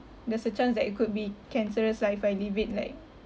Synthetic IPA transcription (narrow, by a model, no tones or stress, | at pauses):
dəsət͡ʃɔ̃ns̬dɛʔikut̚bikʰɛ̃nsəɹəslaɪfbajlivit̚laɪk̚